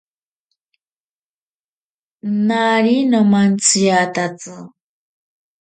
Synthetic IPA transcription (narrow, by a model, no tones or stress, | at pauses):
naɾinomant͡sijat̪at͡sɨ